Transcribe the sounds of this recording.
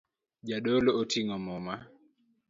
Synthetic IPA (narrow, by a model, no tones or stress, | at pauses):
d͡ʒaɗolootʰiŋɔmɔma